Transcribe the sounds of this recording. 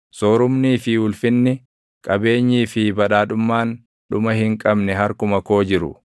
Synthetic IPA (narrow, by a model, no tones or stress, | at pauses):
soːɾʊmniːfɪwʊlfɪnːɪ | kʼɐbe̞ːɲːiːfɪbɐᶑaːᶑʊmːaːn | ᶑʊmɐhɪŋkʼɐbnɛɦɐɾkʊmɐko̞ːd͡ʒɪɾʊ̰